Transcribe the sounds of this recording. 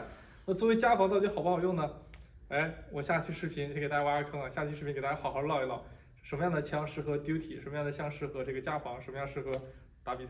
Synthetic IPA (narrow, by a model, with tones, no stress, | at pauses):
na˥˩t͡swɔ˥˩˧we˥ɪt͡ɕja˥fɑ˧˥ŋt̪ɑ˥˩ʊi˧˥xʊpxjʊ˥˩ŋnə˩ | a˥˩ɪwɔ˨˩ɕja˥˩t͡ɕʰi˥ʂɻ̩˥˩pʰi˧˥n˧˥kt̪a˥ja˥ə˧˥kʰɤ˥ŋlə˨˩ɕja˥˧˩t͡ɕʰi˥ʂɻ̩˥˩pʰi˧˥ŋkt̪a˥a˥ɑ˨˩ʊxɑ˧˥˧lɑ˥˩ʊi˧˥lɑ̰˥˧˩ | ʂə˧˥nməjɑ˥˩ŋd̪ə˩t͡ɕʰjɑ˥ŋʂɻ̩˥˩xɤ˧˥t̪ju˥ʊt̪ʰi˨˩ʂə˧˥nmə˧jɑ˥˩ŋd̪ə˩t͡ɕʰjɑ˥ŋʂɻ̩˥˩xɤ˧˥ʈ͡ʂɤ˥˩ɡə˩t͡ɕja˥fɑ˧˥ŋʂə˧˥nmə˧jɑ˥˧ŋʂɻ̩˥˩xɤ˧˥ | t̪a˧˥˩pi˨˩s